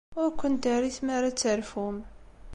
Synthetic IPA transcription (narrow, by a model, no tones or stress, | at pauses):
ʊɾkʷːənt̪aɾiθmaɾat͡sːəɾfum